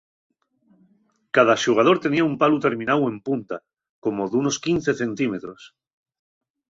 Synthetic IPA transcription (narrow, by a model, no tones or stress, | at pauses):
kað̞aʃuɣ̞að̞o̞ɾt̪e̞niaumpalut̪e̞ɾmĩnawe̞mpunt̪a | ko̞moðuno̞skin̟θeθe̞nt̪ime̞t̪ɾo̞s